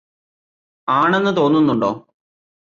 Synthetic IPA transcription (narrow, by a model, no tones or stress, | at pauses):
aːɳenːɨt̪o̞ːnːunːuɳɖoː